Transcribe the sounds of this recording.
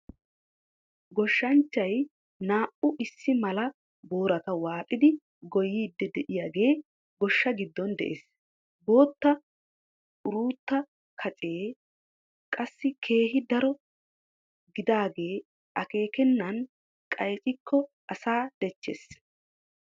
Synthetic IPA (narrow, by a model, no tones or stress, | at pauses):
ɡɔʃːɐnt͡ʃːɐj | naːʔʊʔɪsːɪmɐlɐ | bo̞ːɾɐt̪ɐwaːtʼɪd̪ɪ | ɡɔjiːd̪ːɛd̪ɛʔɪjaːɡe̞ː | ɡɔʃːɐɡɪd̪ːɔnd̪ɛ̰ʔḛːs | bo̞ːt̪ːɐ | ʔʊɾuːt̪ːɐ | kʰɐt͡sʼe̞ː | kʼɐsːɪkʰe̞ːɦɪd̪ɐɾɔ | ɡɪd̪aːɡe̞ː | ɐke̞ːkɛnːɐn | kʼɐjt͡ʃʼɪkʰːɔ | ʔɐsaːd̪̥ɛt͡ʃːḛs